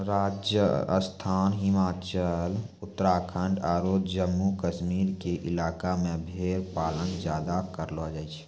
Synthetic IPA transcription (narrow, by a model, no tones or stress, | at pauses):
ɾaːd͡ʒjə̰st̪ʰaːnɦɪmaːt͡ʃəl | ʊt̪ːəɾaːkʰə̃ɳɖaːɾoːd̪d͡ʒəmːukəʃmiːɾkeʔɪlaːkamẽbʱeːɾpaːlənd͡ʒjaːd̪akəɾload͡ʒaːit͡ʃʰ